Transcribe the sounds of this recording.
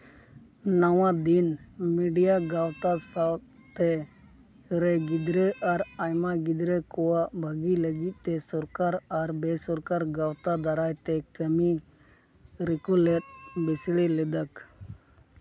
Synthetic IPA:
nəwãd̪inmiɖijaɡawt̪asaw | t̪ɛ | ɾɛɡid̪ɾɛʔaɾajmaɡid̪ɾɛkɔwaʔbʱəɡiləɡit̪̚ˀt̪ɛsɔɾkaɾaɾbesɔɾkaɾɡawt̪ad̪aɾajt̪ɛkəmi | ɾikulɛt̪̚bisɭilɛd̪ək

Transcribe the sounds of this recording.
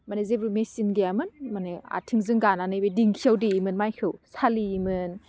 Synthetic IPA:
manezebɾumesinɡijamɯnmanea̰tʰiŋzɯŋɡananɯjbediŋkʰiawdiːmɯnmajkʰɯwsʰaliːmɯn

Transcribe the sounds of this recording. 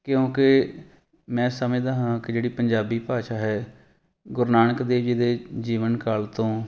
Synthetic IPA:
kɪjõːkɪ | mɛ̃ːsəmẽd̪aːɦãːkɪd͡ʒeːɽiːpəɲd͡ʒaːbiːpaːʃaːɦɛː | ɡʊɾnaːɳəkd̪eːʋd͡ʒiːd̪eːd͡ʒiːʋənkaːlt̪õː

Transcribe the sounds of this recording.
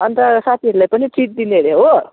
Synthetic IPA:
ʌnt̪asat̪ʰiɦʌɾulajpʌniʈʰiʈ̚d̪ineɾeɦo

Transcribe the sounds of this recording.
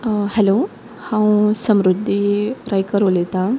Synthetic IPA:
hɛlo | hãwsəmɾud̪ʱːiɾajkəɾolet̪a

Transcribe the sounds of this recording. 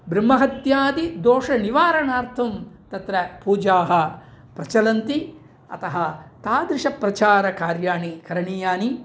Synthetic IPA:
bɾimːɐɦɐt̪jaːd̪id̪oːʂɐniʋaːɾɐɳaːɾt̪ʰɐmt̪ɐt̪ɾɐpuːd͡ʒaːɦɐ̆ | pɾɐt͡ʃɐlɐnt̪i | ɐ̰t̪ɐɦɐt̪aːd̪ɾɪʂɐpɾɐt͡ʃaːɾɐkaːɾjaːɳikɐɾɐɳiːjaːni

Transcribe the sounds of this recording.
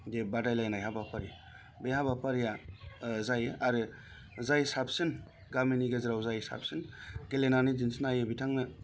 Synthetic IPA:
debadajlajnajɦabapʰaɾja | beɦabapʰaɾja | zajɯʔaɾɯ | zajsap̚sɯn | ɡaminiɡeziɾawzajsa̰p̚sɯnɡelenanizinsinajɯbitʰaŋnɯ

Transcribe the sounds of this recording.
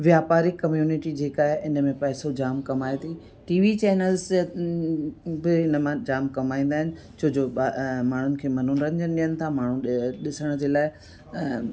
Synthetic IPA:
ʋjaːpaːɾikɐmjuːnɪʈid͡ʑeːkaːɦɪʔɪnəmẽpɛɦɪsod͡ʑaːmkɐmaːet̪ʰi | ʈiːʋit͡ɕɛːnəlz | bɪɪnəmãd͡ʑaːmkɐmaːĩːn̆d̪aːɦɪnɪ̆ | t͡ɕʰoːd͡ʑoamaːɳ̤ʊnɪ̆kʰeːmɐn̤unɾɐ̃ɲd͡ʑənɪɗɪjənɪ̆t̪ʰamaːɳ̤ũɗɪsəɽ̃d͡ʑeːlaːɪ

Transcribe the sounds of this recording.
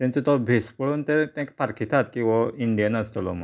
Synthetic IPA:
t̪jãɲt͡set̪ɔbʱespəɭuːnt̪et̪jãkpaɾkʰit̪ʰat̪kĩw̃ʋaiɳɖijanəst̪lɔmə

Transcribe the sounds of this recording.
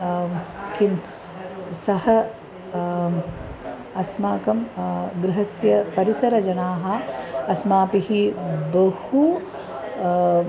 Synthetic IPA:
kʰim | sɐɦɐ | ɐsmaːkɐmɡɾɪɦɐsjɐpɐɾisɐɾɐd͡ʒɐnaːɦɐɐsmaːpihibɐhu

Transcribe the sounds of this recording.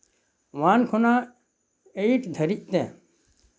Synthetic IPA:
ʋaːnkʰʊnãː | eiʈʰd̪ʱəɾiʔt̪ẽː

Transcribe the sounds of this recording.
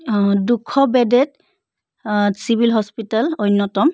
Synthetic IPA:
dukʰːɔbɛdɛt | sibilɦɔspitalojnːɔtɔm

